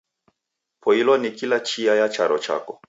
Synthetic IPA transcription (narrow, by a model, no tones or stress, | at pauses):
pʰɔilɔnikilat͡ʃiajat͡ʃaɾɔt͡ʃa̰kɔ